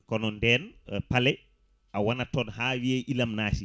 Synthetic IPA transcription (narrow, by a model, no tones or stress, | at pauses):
kɔnɔndɛnpalɛ | awanatɔnhaːwiɛʔilamnaːsi